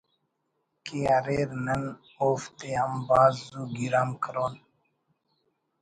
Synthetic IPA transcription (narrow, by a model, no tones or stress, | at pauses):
kiaːɾeːɾnɐn | oːft̪eɐmbaːzzuːɡiɾaːmkʰəɾoːn